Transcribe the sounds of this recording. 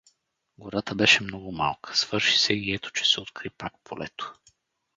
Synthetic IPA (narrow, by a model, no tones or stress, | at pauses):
ɡoɾat̪əbɛʃɛmnɔɡʊma̰lˠkʰə̥sv̥ɤɾʃi̥sɛiɛt̪o̥t͡ʃɛ̥sɛot̪kɾipakpʰolɛ̰t̪o̥